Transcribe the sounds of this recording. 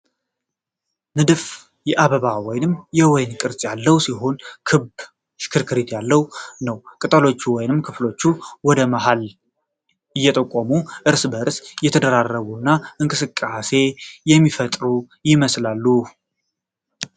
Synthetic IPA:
nɨd̪ɨf | jɛʔaβəβawɔjnɨmjɛwɔjnkʼɨɾsʼjalːəwsiɦo̞nkʰɨb | ʃɪ̥kʰɨɾkʰɨɾet̪jalːəwnəwkʼɨt̪ʼəlo̞t͡ʃːuwɔjnɨmkʰɨflo̞t͡ʃːuwɔd̪əmaɦal | ɨjːɛt̪ʼəkʼːomuʔɨɾsbəɾsjɛt̪ʰəd̪əɾarːəβunːaɨŋkʼɨsɨkʼːase̞jɛmːifət̪ʼɾu | jɪməslalːu

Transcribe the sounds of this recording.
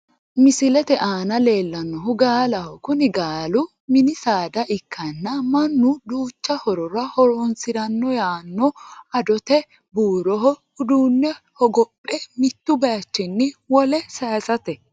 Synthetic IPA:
mɪsɪlɛt̪ɛʔaːnɐle̞ːlːɐnːɔɦʊɡaːlɐhɔkʊnɪɡaːlʊ | mɪnɪsaːd̪ɐʔɪkʰːɐnːɐmɐnːʊd̪uːt͡ʃːɐhɔɾɔɾɐhɔɾɔnsɪɾɐnːɔjaːnːɔɐd̪ɔt̪ɛ | buːɾɔɦɔ | ʊd̪uːnːɛhɔɡɔpʼːɛmɪt̪ːʊbɐɐt͡ʃːɪnːɪwɔlɛsaːsɐt̪ɛ

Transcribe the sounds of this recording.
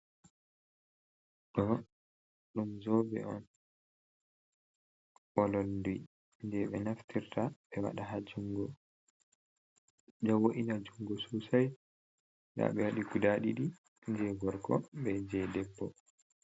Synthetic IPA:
ɗɔ | ɗumzɔbɛ̰ɔ̰n | ɓɔlɔlduj | nd͡ʒɛɓɛnaftʰiɾtaɓɛwa̰ɗaɦad͡ʒuŋɡɔ | d͡ʒɔwoʔinad͡ʒuŋɡɔsusaj | ɗa̰ɓɛwaɗikudaɗiɗi | nd͡ʒɛɡɔɾkɔ̰ɓɛd͡ʒɛdɛbːɔ

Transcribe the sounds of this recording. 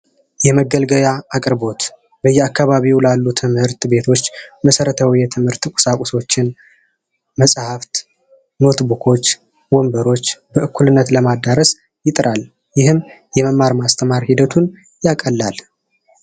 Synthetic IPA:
jɛməɡəlɡəβjaakʼɾbo̞t̪ | bəjːɛakːaβaβiwlalːut̪ʰɨmhɨɾt̪be̞t̪ʰo̞t͡ʃːməsəɾət̪ʰəwjɛt̪ʰɨmhɨɾt̪kʷʼʊ̥sakʼʊso̞t͡ʃːɪn | məsʼhaft̪ | no̞t̪bukʰo̞t͡ʃː | wombəɾo̞t͡ʃːbəʔɨkʰːulɨnːət̪ləmad̪aɾəs | jɪt̪ʼɾʔal | jɪhɨmjɛməmːaɾmast̪ʰəmaɾhid̪ət̪ʰun | jakʼəlːal

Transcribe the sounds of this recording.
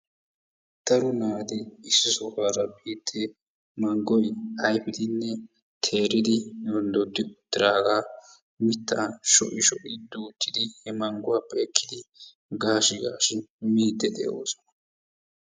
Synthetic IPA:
d̪̥ɐɾʊnaːd̪ɪɪsːɪsɔkaːɾɐbiːt̪ʰːɛ | mɐŋɡɔjɐjbɪd̪ɪnːɛ | t̪ʰe̞ːɾɪd̪ɪɔnd̪ɔd̪ːɪʊt̪ːɪɾaːɡaː | mɪt̪ːaʃɔ̰ʔɪʃɔʔɪd̪uːt̪ːɪd̪ɪhɛmɐŋɡʊwapʼeːkʰːɪd̪ɪ | ɡaːʃɪɡaːʃɪmiːd̪ɛd̪ɛ̰ʔo̰ːsɔ̥nɐ

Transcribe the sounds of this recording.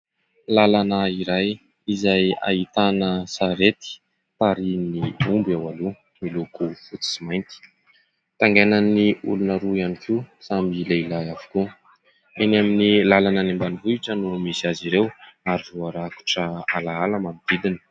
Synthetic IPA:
lalanəiɾaj | izaja̰it̪anəsaɾet̪i̥ | taɾinniumbawalu | milukufut͡si̥simajnt̪i̥ | t̪aŋɡenaniṵlunaɾuianikʰisamilailaavu̥ku | enaminilalanənimbanivuiʈ͡ʂənumisiaziɾewaɾivuaɾaku̥ʈ͡ʂəalaalamamid̪̥id̪inə̥

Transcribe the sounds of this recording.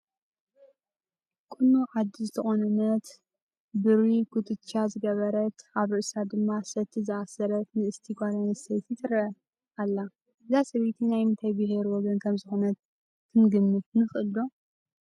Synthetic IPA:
kʼɨnːuʕad̪izɨt̪ʰɐxonɐnɐt̪ | bɨɾikut̪ʰɨtt͡ʃazɨɡɐβɐɾɐt̪ʔaβɾɨʔsad̪ɨmːasɐt̪ʰːizɨasɐɾɐt̪nɨɨst̪ʰiɡʷaɾɐnɐsɐjt̪ʰit̪ʰɨɾɐɐ | alːa | ɨzasɐβet̪ʰinajmɨnt̪ʰajbɨɦeɾwɔɡɐnkʰɐmzɨxonɐt̪ːʰ | ɨnɡɨmːɨt̪̚nɨxʔɨlːo

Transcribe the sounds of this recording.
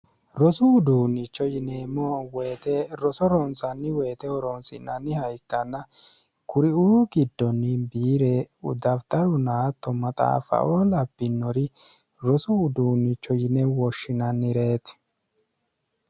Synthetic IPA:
ɾɔsʊːd̪uːnːɪt͡ʃːɔjɪneːmːɔweːt̪ɛɾɔsɔɾɔnsɐnːɪwe̞ːt̪ɛɔɾɔnsɪ̰nːɐnːɪhɐjkːɐnːɐ | kʊɾɪuːɡɪd̪ːɔnːɪbiːɾeʊ̰d̪ɐft̪ɐɾʊnaːt̪ːɔmɐt̪ʼa̰ːfɐ̰ʔoːlɐbːɪnːɔɾɪ | ɾɔsʊʊd̪uːnːɪt͡ʃːɔjɪnɛwɔʃːɪnɐnːɪɾe̞ːt̪

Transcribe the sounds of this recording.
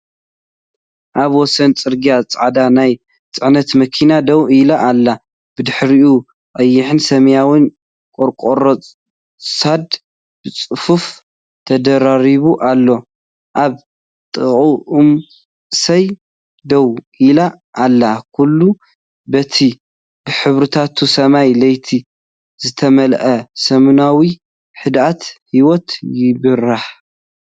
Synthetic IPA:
ʔaβwɔsɐnt͡sʼɨɾɡijat͡sʼʕad̪anaj | t͡sʼɨʕnɐt̪mɐkʰinad̪ɐwilaʔːlːa | b̥ɨd̪ɨħɾiʔu | ʔʼɐjːɪħɨnsɐmjawin | kʼoɾkʼoɾot͡sʼ | sad̪ | b̥ɨt͡sʼɨfuf | t̪ʰɐd̪ɐɾaɾiβuʔalːo̞ | ʔaβ | t̪ʼɨʔuʔum | sɐj | d̪ɐw | ila | ʔːlːakʰulːu | bɐt̪ʰi | bɨħɨβɾɨt̪ʰat̪ʰusɐmajlɐjt̪ʰi | zɨt̪ʰɐmɐlʔɐsɐmunawi | ħɨd̪at̪hiwot̪jɪβɨraħ

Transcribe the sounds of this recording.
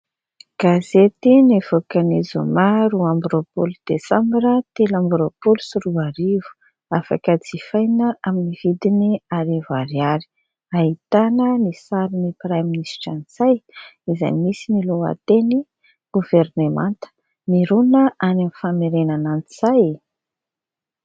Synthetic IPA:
ɡ̥azet̪inivokanizṵmaɾuambɾopolud̪̥esambiɾət̪elambɾopolusuɾuaɾivu̥ | afa̰kət͡sifajnəʔaminivid̪iniaɾevaɾjaɾi̥ | aɦit̪anənisaɾinipɾaminisʈ͡ʂanit͡sajiza̰jmisiniloa̰t̪eni | ɡ̥uvernemãnt̪ə̥ | niɾunəʔanamifameɾenananiz̥aj

